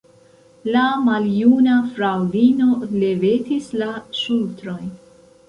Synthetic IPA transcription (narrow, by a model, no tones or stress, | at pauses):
lamaljunafɾawdino̞le̞ve̞tislaʃultɾo̞j